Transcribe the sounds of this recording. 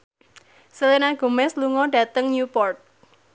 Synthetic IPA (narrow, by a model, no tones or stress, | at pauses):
səlinaɡ̥ṳmɛsluŋɔɖ̥a̤t̪əŋɲupɔrt̪̚